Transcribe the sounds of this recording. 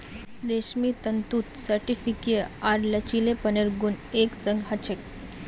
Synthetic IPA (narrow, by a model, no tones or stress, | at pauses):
ɾeʃmit̪ənt̪ut̪sɐɾʈifikeaɾlət͡ʃilepəneɾɡuneksəŋɡɦɐt͡ʃʰek